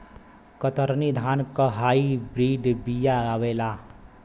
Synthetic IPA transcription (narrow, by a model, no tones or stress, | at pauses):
kət̪əɾnid̪ʱaːnkəɦaːibɾiːɖbijaaʋeːlaː